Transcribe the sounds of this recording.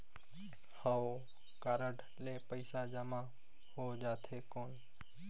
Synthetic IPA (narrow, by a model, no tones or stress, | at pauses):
hə | kaːɾəʈ | leːpəɪsad͡ʒəma | hod͡ʒaːt̪ʰekoːn